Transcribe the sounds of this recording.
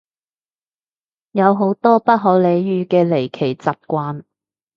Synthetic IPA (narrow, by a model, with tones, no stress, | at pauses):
jɐ˨˧wɦo˨˥wt̪ɔː˥pɐ˥t̚ɦɔː˨˥le˨˧jjyː˨kɛː˧le˨˩jkʰe˨˩jt͡saː˨p̚kʷaː˧n